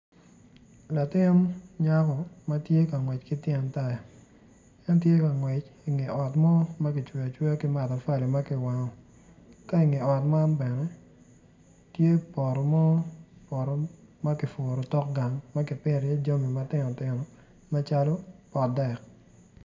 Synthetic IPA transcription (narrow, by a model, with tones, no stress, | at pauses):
la˨tɪ˦n˦ɲa˦kɔ˨ma˦tje˦ka˨ŋwɛ˨t͡ʃkɪ˦tjɛ˨nta˦ja˨ | ɛ˦ntje˦ka˨ŋwɛ˨t͡ʃi˨ŋe˨ɔ˨tmɔ˦ma˦kɪ˨t͡ʃwe˨a˨t͡ʃwe˦o˦kɪ˦ma˨ta˨fa˦li˨ma˦kɪ˨wa˨ŋɔ˨ | ka˦i˨ŋe˨ɔ˨tma˦nbɛ˨nɛ˦ | tje˦pɔ˨ɾɔ˨mɔ˦pɔ˨ɾɔ˨ma˦kɪ˨fo˨ɾo˨tɔ˦k̚ɡa˨ŋma˦kɪ˨pɪ˦˨ɾjɛ˦d͡ʒo˦mi˨ma˦tɪ˦nɔ˨tɪ˨˦nɔ˨ | ma˦t͡ʃa˦lo˦pɔ˨dɛ˨k̚